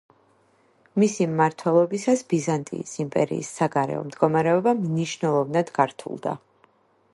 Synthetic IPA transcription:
misimːaɾt̪ʰwɛlˠɔbisasbizant̪ʼḭːsimpʼɛɾḭːsːaɡaɾɛ̰ɔ̰md̪ɡɔmaɾɛɔbamniʃnɛlˠɔvnad̪ɡaɾt̪ʰṵlˠd̪a̰

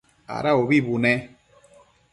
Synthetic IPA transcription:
a̰ɾaoβibunɛ

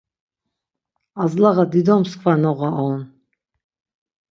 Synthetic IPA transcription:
azlaʁad̪id̪ɔmskʰvanɔʁaʔɔn

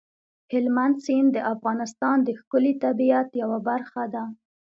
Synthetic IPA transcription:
hɪlmand̪sind̪əʔafɣɑnɪst̪ɑnd̪əxkʊlit̪abiat̪jawabaɾxad̪a

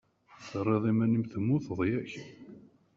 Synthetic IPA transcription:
θrˤːeðˤimænimθəmːuθəðˤjæç

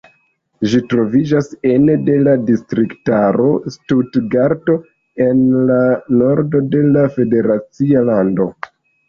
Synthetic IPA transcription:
ʒitɾo̞vid͡ʒasenede̞ladistɾiktaɾo̞̰studɡaɾto̞ | e̞nlano̞ɾdo̞de̞lafe̞de̞ɾat͡sialando̞

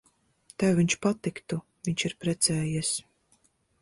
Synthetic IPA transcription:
t̪ɛwviɲt͡ʃpat̪ikt̪u | viɲt͡ʃiɾpɾɛt̪sɛːjɛs

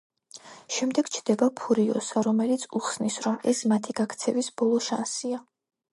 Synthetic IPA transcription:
ʃɛmd̪ɛɡ̥t͡ʃʰd̪̥ɛbapʰuɾiɔsaɾɔmɛlit̪sʰuχsnisɾɔmɛsmat̪ʰiɡ̥akʰt̪sʰɛvisb̥ɔlˠɔʃansia

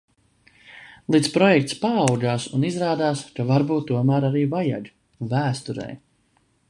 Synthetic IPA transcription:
lˠit̪spɾɔjɛk̚t̪spaawd͡ʒaːsunizɾaːd̪aːskavaɾbuːt̪ːuɔmæːɾaɾiːvaja̰ʎ | væːst̪uɾɛ̰j

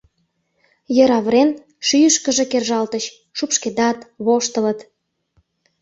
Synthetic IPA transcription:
jəɾɑβɾen | ʃyjəʃkəʒekerʒɑlt̪əɕ | ʃupʃked̪ɑt̪βoʃt̪ələt̪

